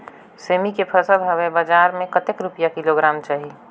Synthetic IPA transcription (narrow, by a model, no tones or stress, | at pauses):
seːmikepʰəsəbʱɦɐʋebəd͡ʒaːɾmẽkət̪ekɾʊpijakɪloɡɾaːmt͡ʃaːɦi